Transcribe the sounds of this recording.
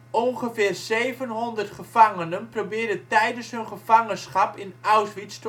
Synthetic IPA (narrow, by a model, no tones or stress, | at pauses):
onχəfɪːrzeːvənɦɔndərtχəv̥aŋənənprobɪːrdətɛjdəsɦɵnχəv̥aŋənsχapɪnawsʋit͡st